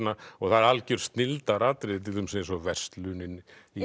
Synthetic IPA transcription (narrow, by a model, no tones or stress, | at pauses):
naɔɣθaðɾalcʏɾ̥st̪nɪlt̪aɾat̪ɾɪðɪt̪ʰɪlʏmsɛsɔvɛst̪lʏnɪni